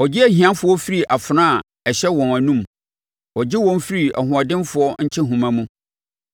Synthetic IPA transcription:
ɔ˨d͡ʑɪ˦æ˦hĩ˨ã˦nfʊ˦ɔ˦fi˦ɾi˨ʔa˨fʊ˨nã˦a˨ | ɛ˨ɕɛ˦wɔ̃˨næ˨nũ˦m | ɔ˨d͡ʑɪ˦wɔ̃˦n˦fi˦ɾi˨ʔa̰˨ɦʊ̃˨a˨dɪ̃˦nfʊ˨ɔ˦ɲ̩˦t͡ɕʰɪ˦ɦũ˨mã˦mũ˦

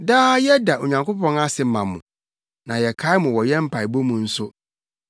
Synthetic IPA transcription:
daː˦jɛ˦da˨ʔo˨ɲã˨ŋkʷo˦pʰɔ̃˦na˦sɪ˨mã˨mʊ̃˨ | nã˨jɛ˨kʰa˦ɪ˦mʊ̃˨wɔ˨jɛ˦m̩˦pʰa˨ɪ˨bo˦mũ˨n̩˦sʊ˦

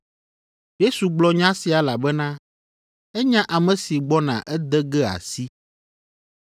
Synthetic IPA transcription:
je˦su˨ɡ͡blɔ˦ɲã˦si˨a˨la˨bɛ˦nã˦ | ɛ˦ɲã˦ʔa˨mɛ̃˨si˨ɡ͡bɔ˦nã̰˨ʔɛ˦d̪ɛ˦ɡɛ˦a̰˨si˦

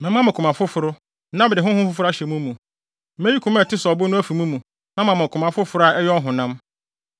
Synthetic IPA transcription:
mɛ̃˨mã˦m̃˨kʰʊ˨mã˨fʊ˦fʊ˨ɾʊ˦ | nã˦bɪ˨dɪ˨ɦʊ̃˦hʊ̃˦fʊ˦fʊ˦ɾʊ˦a˦ɕɛ˨mũ˦mũ˨˦ | mɛ̃˦ji˦kʰʊ̃˨˦m˦ɛ˨tʰɪ˦sɔ˨bʊ˦nʊ̃˦æ˦fu˨mũ˦mũ˨ | nã˦mã˨mɪ̃˨kʰʊ˨mã˨fʊ˦fʊ˨ɾʊ˦a˨ʔɛ˦jɔ˦ɦʊ̃˨nã˦m

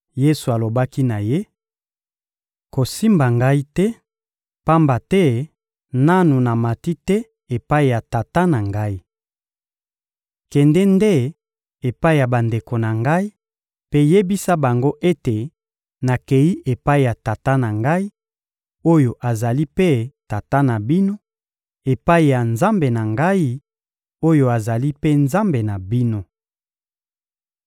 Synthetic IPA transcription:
je˦su˨a˨lo˨ba˦ki˦na˨je˦ | ko˨si˦mba˨ŋɡa˦i˦tɛ˦ | pa˦mba˨tɛ˦ | na˦nu˨na˨ma˨ti˦tɛ˦ | e˨pa˦i˨ja˨ta˨ta˦na˨ŋɡa˦i˦ | kɛ˨ndɛ˦nde˦ | e˨pa˦i˨ja˨ba˨nde˨ko˨na˨ŋɡa˦i˦ | pe˦je˦bi˦sa˦ba˨ŋɡo˦ʔe˦te˨ | na˨ke˨ji˦ʔe˨pa˦i˨ja˨ta˨ta˦na˨ŋɡa˦i˦ | o˦jo˨ʔa˨za˨li˦pe˦ta˨ta˦na˨bi˦no˦ | e˨pa˦i˨ja˨nza˦mbe˨na˨ŋɡa˦i˦ | o˦jo˦a˨za˨li˦pe˦nza˦mbe˨na˨bi˦no˦

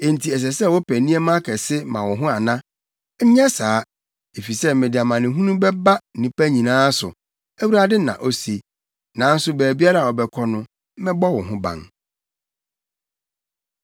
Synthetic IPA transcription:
e˨n̩˨tʰi˨ɛ˨s̬ɛ˨sɛ˦˨wɔ˦pʰæ˨nĩ˦ɛ˦mã˦kʰɛ˨sɪ˦mã˨wɔ˨ɦʊ̃˦a˨nã˦ | ɲ̩˦ɲã˦saː˦ | e˨fi˨sɛ˦mẽ˨di˨a˨mã˨nɪ̃˨ɦũ˦nũ˦bɛ˦ba˦˨nĩ˨pæ˦ɲĩ˨nãː˦sʊ̰˨ | æ˦wu˦ɾa˦dɪ˦nã̰˨ʔo˦si˦ | nã˨˦n̩˦sʊ˦bæː˨bi˦a˦ɾa˦˨wɔ˨bɛ˨kʰɔ˨nʊ̃˨˦ | mɛ̃˦bɔ˦wɔ˨ɦʊ̃˦bã̰˨n

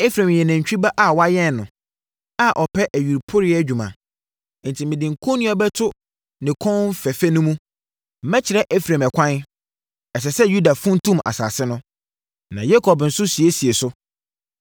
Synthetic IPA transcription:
e˦fɾã˨mjɛ˨nɪ̃˨ɲ˨t͡ɕᶣi˦ba˦ʔa˨wɔ˦a˦jɛ˦n˨nʊ̃˨ | a˦ʔɔ˨pʰɛ˦ʔæ˨ɥi˨ɾpʰʊ˦ɾɪ˦ɛ˦d͡ʑᶣu˨mã̰˨˦ | n̩˨tʰi˨mɪ̃˨dɪ̃˨ŋ̩˨kʰo˦nĩ˦ɔ˦bɛ˦tʰʊ˦ | nɪ̃˨kʰɔ̃˦m̩˦fɛ˨fæ˦nʊ̃˦mũ˦ | m̩˦mɛ̃˦t͡ɕʰɪ˨ɾɛ˦ʔe˦fɾã˨mɛ˨kʷʰã˦n | ɛ˨sɛ˨sɛ˦ju˦da˨fʊ̃˦n˦tʰũ˦ma̰˨sa̰ː˨sɪ˦nʊ̃˦ | nã˨jɛ˦kʰɔ˨bn̩˨sʊ˦si˨e˦si˨e˨sʊ˦

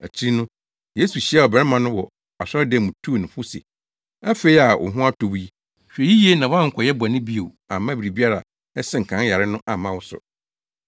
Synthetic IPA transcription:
æ˨t͡ɕʰi˦nʊ̃˦ | je˦su˨ɕi˦a˦˨ɔ˨bɛ˨ɾɛ˦mã˨nʊ̃˦wɔ˨ | a˨sɔ˦dɛ˦˨mũ˨tʰu˦˨nʊ̃˨fʊ˦sḛ˨ | a˦fe˨i˦a˨ʔʊ̰˨ɦʊ̃˦a˦tʰo˨bji˦ | ɕᶣe˨ji˦ji˦e˦nã˨wã˦ŋ̩˨kʰʷɔ˨jɛ˦ba˨nɪ̃˦bi˦o˨a̰˨mã˦bi˨ɾi˨bi˦a˦ɾa˨ | ɛ˦sɪ˦˨ŋ̩˨kʰã˨˦ja˨ɾɪ˦nʊ̃˦ʔa˨mã˦wʊ˦sʊ̰˨

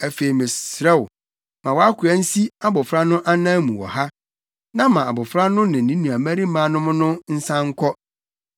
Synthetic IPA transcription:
æ˨fe˨i˨mɪ̃˨sɾɛ˦wʊ˨ | mã˨wa˦kʰʊ˨æ˦n̩˦si˦a˦bʊ˨fɾa˦nʊ̃˦ʔa˦nãː˦mũ˨wɔ̰˨ha˦ | nã˦mã˨a˨bʊ˨fɾa˦nʊ̃˦nɪ̃˨n̩˨nĩ˦nũ˨a˨mæ̃˦ɾi˦mãː˦nʊ̃˦mʊ̃˦nʊ̃˦n̩˦sã˦ŋ̩˦kʰɔ˦

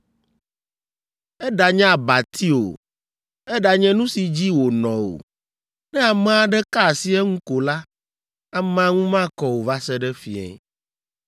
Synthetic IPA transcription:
ɛ˦ɖa˨ɲɛ̃˦a˨ba˨t̪ʰi˦o̰˨ | ɛ˦ɖa˨ɲɛ̃˦nũ˦si˨d͡ʑi˦wo˨nɔ̃˨o̰˨ | nɛ̃˦a˨mɛ˦˨a˨ɖɛ˦ka˦˨si˦ɛ˦ŋũ˦ko˨la˦ | a˨mɛ˨a˦ŋũ˦mã˦kɔ˦wo˨va˦sɛ˦ɖɛ˦fḭ˨ɛ̰˨

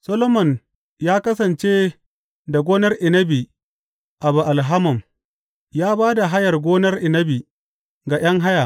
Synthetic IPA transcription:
sɐ˦lo˦mɔ˨n | jaː˦kɐ˦sɐ˨nt͡ʃeː˦ | da˨ɡʷoː˦nɐ˦rʔɪ˨nɐ˦bi˨ | ʔa˨bu˨ʔa˨lɦa˦mɔ˨m | jaː˦baː˦da˨ɦa˦jɐ˨rɡʷoː˦nɐ˦rʔɪ˨nɐ˦bi˨ | ɡa˨j̰ɐ˦ŋɦa˦ja˨

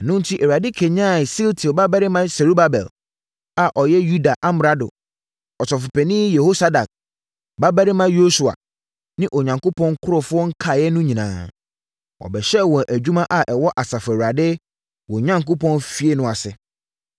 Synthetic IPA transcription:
nʊ̃˦n̩˦tʰi˦ʔɛ˨wa˨dɪ˦kʰe˨ɲã˦˨si˦ltʰi˨ba˦bæ˦ɾɪ˦mã˦sɛ˨ɾu˦ba˦bɛ̰˨l | a˨ʔɔ˨jɛ˦ju˦da˨ʔã˦m˨ɾa˦dʊ̰˨ | ɔ˨tɔ˨fʊ˨pɛ˨nɪ̃˦jɛ˨ho˦sa˦da˨k̚ | ba˦bæ˦ɾɪ˦mã˦jo˦su˨a̰˨ | nɪ̃˦ʔɔ˨ɲã˨ŋko˦pʰɔ̃˦ŋkʰʊ˦ɾʊ˨fʊ˦ɔ˦ŋ̩˦kʰa˨jɛ˦nʊ̃˦ɲĩ˨nã̰ː˨ | ɔ̰˨bɛ˨ɕɛ˦wɔ̃˨ʔæ˨d͡ʑᶣu˦mã˦ʔa˨ʔɛ˨wɔ˦ʔa˨sa˨fæ˨u˨ɾa˨dɪ˦ | wɔ̃˨ɲã˦ŋko˦pʰɔ̃˦nfi˦e˦nʊ̃˨a˨sɪ˨

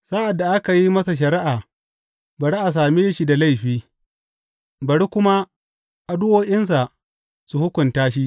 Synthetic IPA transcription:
sa˦ʔa˨dːa˨ʔa˦ka˨ji˦mɐ˦sa˨ʃ̬ɐ˨ɾɪ˦ʔaː˨ | bɐ˨ɽi˦ʔa˨s̬aː˨meː˦ʃi˦da˨la˦jɸiː˦ | bɐ˨ɽi˦kʷʊ˦ma˦ | ʔa˨dʊ˦ʔoː˦ʔʲɪ˦ns̬a˨ | su˨hʊ˦kʷʊ˨ntaː˦ʃi˦ʔ

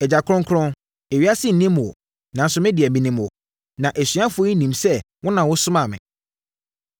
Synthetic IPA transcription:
ɛ˨d͡ʑa˨kʰɾʊ̃˦ŋkʰɾɔ̃˦n | ɛ˨ɥi˦a˦sɪ˦n̩˨nĩ˦m˨ɔ̰˨ | nã˨˦n˦sʊ˨˦mɪ̃˦dɪ˨ɛ˨mĩ˦nĩ˦mwɔ̰˨ | nã˨ʔæ˨sĩ˨˦a˦fʊ˨˦i˦nĩ˨msɛ˦ | wɔ̃˦nã˨wʊ˦sʊ˦mã˨mɪ̰̃˨

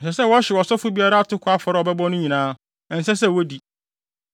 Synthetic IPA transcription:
n̩˨s̬ɛ˨sɛ˦˨wɔ˦ɕɪ˨ɔ˨sɔ˦fʊ˦bi˦a˦ɾa˦a˨tʰʊ˦kʰʊ˨˦a˦fɔ˨ɾɔ˦ɔ˨bɛ˦bɔ˦nʊ̃˦ɲĩ˨nãː˦˨ | n̩˨sɛ˦sɛ˦wo˦di˨

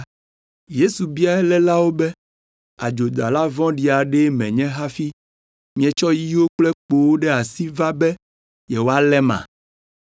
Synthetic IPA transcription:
je˦su˨bi˦a˦ɛ˦lɛ˦la˦wo˦bɛ˦ | a˨d͡ʒo˨d̪a˨la˦vɔ̃˦ɖi˨a˨ɖɛ˦mɛ̃˨ɲɛ̃˦ɦa˦fi˦ | mĩ˦ɛ̃˨t͡ʃɔ˦ji˦wo˦k͡plɛ˦k͡po˨wo˦ɖɛ˦a˨si˦va˦bɛ˦ | jɛ˨wo˦a˦lɛ˦mã̰˨

